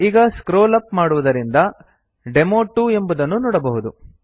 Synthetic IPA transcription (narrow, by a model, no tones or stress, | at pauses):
iːɡɐskɾoːlɐpmaːɽuʋud̪ɐɾind̪ɐ | ɖemoːʈːue̞mbud̪ɐnːunɔːɽɐbɐɦud̪u